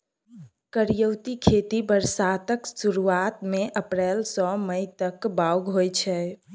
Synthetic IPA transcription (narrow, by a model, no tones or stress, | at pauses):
kəɾjəwt̪ikʰet̪ibəɾsat̪əksuɾuat̪meʔəpɾɛlsɔməjt̪əkbauɡɦojt͡ʃʰɛ